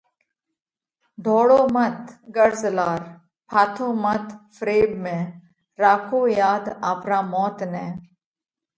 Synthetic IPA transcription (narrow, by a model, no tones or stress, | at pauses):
ɖʱoːɽoːmət̪ɡəɾzlaːɾ | pʰaːt̪ʰõːmət̪fɾeːbmẽː | ɾaːkʰoːjaːd̪aːpɾaːmɔːt̪nɛ̃ː